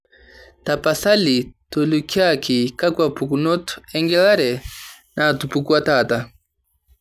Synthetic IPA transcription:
tapasalitɔlukiakʰikakwapukunɔtu̥ɛŋɡɛlaɾɛ | natupukuatata

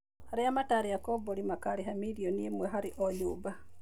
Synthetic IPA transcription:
haɾiamataɾijakoboɾimakaliɦamiɾioniemweɦaɾiʔoɲuβa

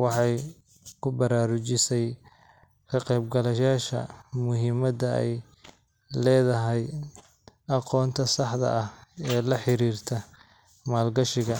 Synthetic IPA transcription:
wɑħɑj | kʰʊbɐɾaːɾʊt͡ʃɪsɛj | kʰɐqɛːbɡɐlɐjaːʃɐ̰mʊɦɪmɐdɐɛ̰j | lɛːðɐɦɛj | ɑqɔːnt̪ʰɐsɑħd̪ɐ̰ʔɐhɛːlɐħɪɾiːrt̪ʰɐ | maːlɡɐʃɪɣɐ

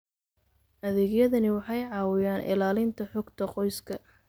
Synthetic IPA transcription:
ʔɐðɛːɡjɐðɐnɪwɑħɑjʕɑːwɪjaːnʔɪ̰laːlɪnt̪ʰɐħɔɡt̪ʰɐqɔjskʰɐ

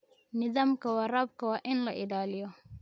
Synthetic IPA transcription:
nɪðaːmkɐwarɐb̚kɐwaʔɪnlɐʔɪdaːlɪjɔ

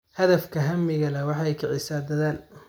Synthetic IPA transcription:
hɐðɐfkʰɐɦɐmːɪɣɐlɐwɑħɑjkʰɐʕɪsaːd̪ɐðaːn

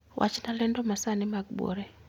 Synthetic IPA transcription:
wʔa̰t͡ʃnalɛndɔmasanɪmaɡ̚bo̰ɾɛ

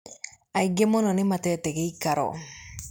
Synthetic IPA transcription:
aiɡemɔnɔnɪmatɛtɛɡeikaɾɔ̰

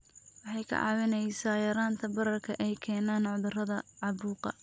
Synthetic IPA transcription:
wɑħɑjkʰɐ̰ʕɑ̰wɪnɛjsaːjɐɾaːnt̪ʰɐbɐɾɐrkʰɐʔɛjkʰɛːnaːnʕʊðʊrɐðɐʕɑβuːqɐ̰

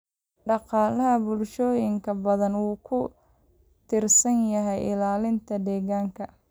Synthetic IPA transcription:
ɖɑqɑːlɐɦɐbʊlʃɔːjɪŋkʰɐbɐðɐnwuːkʰʊ | t̪ʰɪrsɐnjɐɦɛjʔɪlaːlɪnt̪ʰɐd̪ɛːɣaːŋkʰɐ

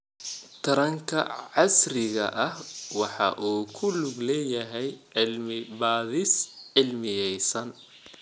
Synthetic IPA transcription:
t̪ʰɐɾɐŋkʰɐ̰ʕɑsrɪɣɐ̰ʔɐhwɑħɑ̰ʔuːkʰʊlʊɡlɛːjɐɦɛjʕɪlmɪbaːðɪsʕɪlmɪjɛjsɐn

